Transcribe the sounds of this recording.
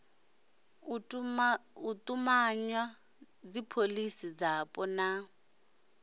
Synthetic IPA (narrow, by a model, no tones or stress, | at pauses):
utʼumaɲwa | d͡zipʰolisid͡zapʼɔna